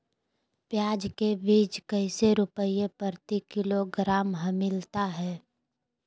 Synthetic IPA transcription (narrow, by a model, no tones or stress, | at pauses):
pjaːd͡ʒkebiːt͡ʃkəɪseɾʊpəiepəɾt̪ikɪloɡɾaːmɦəmɪlt̪aɦɛː